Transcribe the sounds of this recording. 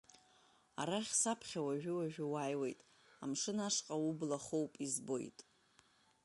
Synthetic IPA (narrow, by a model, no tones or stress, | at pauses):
aɾaχʲsapʰχʲawaʒᶣʏwaʒᶣɪwaːjwe̞jtʼ | amʂɨnaʂqʼaublaχo̞wpʼizbo̞̰jtʼ